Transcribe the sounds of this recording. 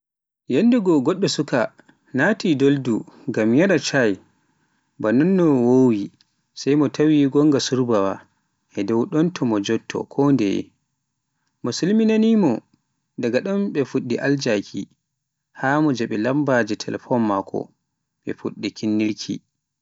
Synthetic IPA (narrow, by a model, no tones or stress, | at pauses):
jɛndɛɡɔɡɔɗːɔsuka | natidolduŋɡamjaɗat͡ʃaj | banɔnːɔwowi | sajmɔtʰawiɡɔŋɡasuɾbawa̰ | ʔɛdɔwɗɔntʰɔmɔd͡ʒɔtʰːɔ̰kʰɔndɛ̰jɛ̰ | mɔsulminanimɔ | daɡaɗɔnɓɛfuɗːiʔald͡ʒakʰi | hamɔd͡ʒɛɓɛlambad͡ʒɛtʰɛlɛfɔmːakʰɔ̰ | ɓɛ̰fuɗːikʰinːiɾkʰḭ